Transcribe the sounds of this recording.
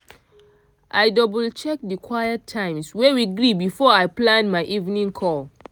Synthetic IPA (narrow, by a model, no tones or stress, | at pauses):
ʔaɪdɔblt͡ʃɛk̚dikʰwajətʰːãɪ̃mswɛwiɡɹibifɔaɪplãnmaɪʔivnĩŋkʰɔl